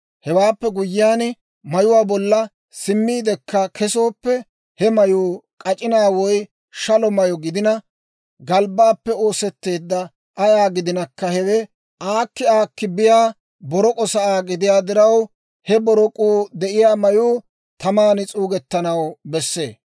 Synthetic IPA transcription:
hɛwaːpːɛɡʊjːɪːjaːn | mɐjʊwaːbɔlːɐ | sɪmːiːd̪ɛkːɐkʰɛso̞ːpːɛ | hɛmɐjuːkʼɐt͡ʃʼɪnaːwɔj | ʃɐlɔmɐjɔɡɪd̪ɪnɐ | ɡɐlbaːpːɛo̞ːsɛt̪ːe̞ːd̪ːɐ | ʔɐjaːɡɪd̪ɪnɐkːɐhɛwɛ | ʔaːkːɪaːkːɪbɪjaː | bɔɾɔkʼɔsɐaːɡɪd̪ɪjaːd̪ɪɾɐw | hɛbɔɾɔkʼuːd̪ɛʔɪjaːmɐjuː | t̪ɐmaːnɪt͡sʼuːɡɛt̪ːɐnɐwbɛsːe̞̰ː

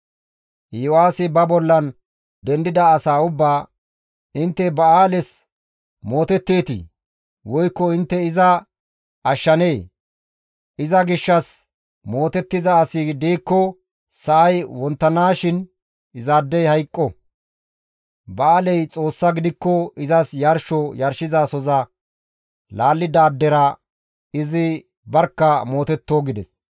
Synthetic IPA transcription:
ɪwaːsɪbɐbɔlːɐn | d̪ɛnd̪ɪd̪ɐːsaːʊbːaː | ɪnt̪ːɛbɐaːlɛs | mo̞ːt̪ɛt̪ːeːt̪ɪ̰ | wɔjkːɔɪnt̪ːɛɪzɐ | ɐʃːɐneː | ʔɪzɐɡɪʃːɐs | mo̞ːt̪ɛt̪ːɪzɐːsɪd̪eːkːɔ | sɐʔɐjwɔnt̪ːɐnaːʃɪn | ɪzaːd̪ːɛjhɐjkʼːɔ | bɐːlɛjt͡sʼo̞ːsːɐɡɪd̪ɪkːɔɪzɐsjɐɾʃɔjɐɾʃɪzaːsɔzɐ | laːlːɪd̪aːd̪ːɛɾɐ | ɪzɪ | bɐɾkːɐmo̞ːt̪ɛt̪ːoːɡɪd̪ɛ̰s

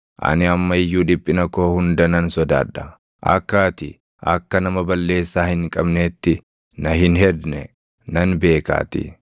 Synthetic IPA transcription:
ʔɐ̰nɪɐmːɐɪjːuːᶑ̪ɪpʼːɪnɐko̞ːhʊnd̪ɐnɐnsɔd̪aːᶑːɐ | ʔɐ̰kːaːt̪ɪ | ʔɐ̰kːɐnɐmɐbɐlːe̞ːsːaːhɪŋkʼɐbneːt̪ːɪ | nɐɦɪnɦɛd̪nɛ | nɐnbe̞ːka̰ːt̪ɪ̰

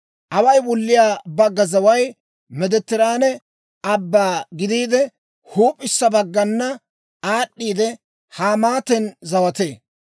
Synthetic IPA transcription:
ʔɐwɐjbɔlːɪjaːbɐɡːɐzɐwɐj | mɛd̪ɛt̪ːɪɾaːnɛ | ɐbːaːɡɪd̪iːd̪ɛ | huːpʼːɪsːɐbɐɡːɐnːɐ | aːɗːiːd̪ɛ | haːmaːt̪ɛnzɐwɐt̪eː

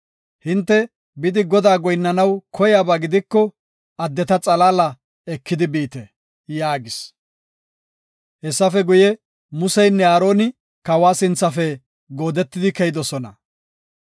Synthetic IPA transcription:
hɪnt̪ːɛ | bɪd̪ɪɡɔd̪aːɡɔjnːɐnɐwkʰɔjaːbaːɡɪd̪ɪkːɔ | ɐd̪ːɛt̪ɐt͡sʼɐlaːlɐ | ɛkːɪd̪ɪbiːt̪ɛ | jaːɡɪs | hɛsːɐfɛɡʊjɛ | mʊsɛjnːɛaːɾo̞ːnɪ | kɐwaːsɪnt͡sːɐfɛ | ɡo̞ːd̪ɛt̪ːɪd̪ɪkɛjɪd̪ɔsɔnɐ

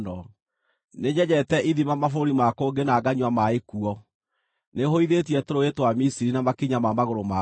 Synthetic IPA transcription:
nɔ | neɲɛɲɛtɛʔiðimamafoɾimakoːɡenaɡaɲwamaekuɔ | nehoiðet̬iɛtoɾoetwamisiɾinamakiɲamamaɣoɾoma

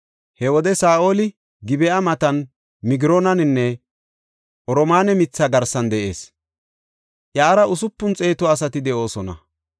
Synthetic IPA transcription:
hɛwɔd̪ɛsaːʔo̞ːlɪ | ɡɪbɛʔɐmɐt̪ɐn | mɪɡɪɾoːnɐnɪnːɛ | ʔɔɾɔmaːnɛmɪt͡sːaɡɐɾsɐnd̪ɛʔe̞̰ːs | ʔjaːɾɐʔʊsʊpːʊnt͡sʼe̞ːt̪ɔɐsɐt̪ɪd̪ɛʔo̞ːsɔnɐ̰

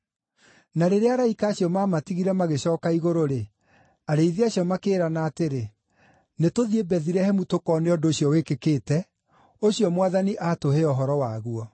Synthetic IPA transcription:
naɾeɾeaɾaikaːɕjɔmaːmatiɣiɾɛmaɣeɕɔːkaiɣoɾoɾe | aɾeiðeaɕiɔmakeːɾanaːteɾe | netoðiebɛðiɾɛhɛmutokɔneɔdoːɕjɔwekekeːtɛ | oɕjɔmwaðaniʔatoɦeɔɦɔɾɔwaɣuɔ

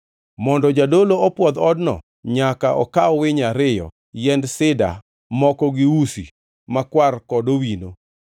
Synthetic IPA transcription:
mɔndɔd͡ʒadoloɔpwɔd̪ɔdnɔ̰ | ɲakaʔɔ̰kaɔwɪɲaɾɪjɔ̰ | jɛndsɪda̰ | mɔkɔɡɪusḭ | makwarkɔdowino

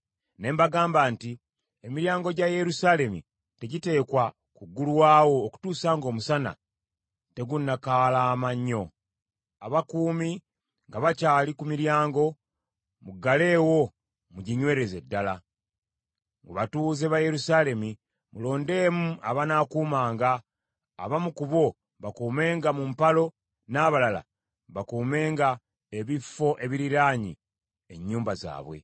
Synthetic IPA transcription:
ne̞ːmbaɡaːmbaːnti | emiɾjaːŋɡo̞ɟaje̞ɾusaːle̞mḭ | teɟite̞ːkwa | kuɡːuluwaːwo̞ːku̥tuːsaːŋɡo̞ːmusana̰ | te̞ɡunːakalaːmaɲːo̞ | aβakuːmi | ŋɡaβacaːlikumiɾjaːŋɡo̞ | muɡale̞ːwo̞ | muɟiɲwe̞ːɾe̞ze̞dːala | ŋɡuβatuːzeβaje̞ɾusaːle̞mi | mulo̞ːnde̞ːmuʔaβanakuːmaːŋɡaː | βamukuβo̞ | βakuːme̞ːŋɡamumpalo̞ | naːβalala̰ | βakuːme̞ːŋɡa | eβifːo̞ʔe̞βiɾiɾaːɲḭ | e̞̰ɲːuːmbaza̰ːβwe̞̰

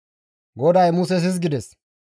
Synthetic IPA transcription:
ɡɔd̪ɐjmuːs̬ɛs̬ɪs̬ɡɪd̪ɛs

